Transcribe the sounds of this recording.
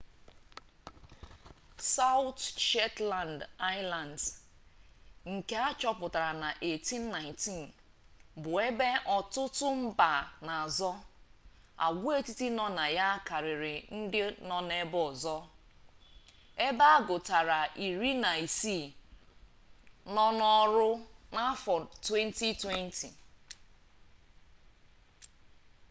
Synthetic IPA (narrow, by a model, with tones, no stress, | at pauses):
sa˦ʊ˦tʃɛ˦tla˨nda˦ɪ˦la˨nd | ŋ̩˨ke˦a˦t͡ʃɔ˦pʊ˨ta˨ɾa˨na˨ʔe˨ti˦n̩ː˦a˨ɪ̃˨nti˦n | bʊ˨e˦be˦ʔɔ˨tʊ˦tʊ˦m̩˦ba˨na˨a˨zɔ˦ | a̰˨ɡʷu˦e˦ti˦ti˦nɔ˦na˨ja˦ka˨ɾɪ˨ɾɪ˨n̩˦dɪ˦nɔ˦ne˦bɔ˨zɔ˦ | e˦ba˦a˦ɡʊ˨ta˨ɾa˨ʔi˨ɾi˦na˨i˨si˦˨ | nɔ˦nɔ˦ɾʊ˦na˦fɔ˨twe˦n˦ti˦twe˦n˦tʰi˨